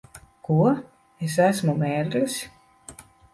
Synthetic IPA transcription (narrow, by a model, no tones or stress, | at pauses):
kuɔ | es̬æsmumeːɾɨsʲ